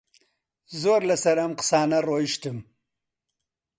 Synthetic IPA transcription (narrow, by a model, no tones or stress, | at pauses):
zoɾlasɐɾamqsɑːnaɾoːjiʃt̪əm